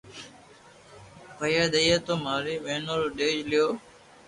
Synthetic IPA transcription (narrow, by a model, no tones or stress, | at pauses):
pəjaːd̪əjeːt̪oːmaːɾiːɓẽːnoːloɗeːd͡ʒlɪjoː